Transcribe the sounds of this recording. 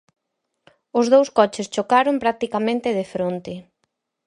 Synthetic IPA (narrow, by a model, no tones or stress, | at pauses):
ʊzðowskɔt͡ʃɪst͡ʃokaɾompɾak̚t̪ikamẽnt̪ɪðefɾont̪ɪ